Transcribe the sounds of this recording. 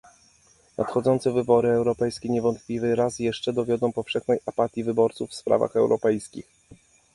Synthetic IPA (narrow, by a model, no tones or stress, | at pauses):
nʔa̰t̪xɔd̪zɔnt̪sɛvɘbɔɾɘɛwɾɔpɛjskʲɛɲɛvɔnt̪plʲivɘɾasjɛʂt͡ʂɛd̪ɔvʲjɔd̪ɔ̃w̃pɔfʂɛxnɛjʔapat̪ʲjivɘbɔɾt̪sufːspɾa̰va̰xɛwɾʔɔpɛjskʲix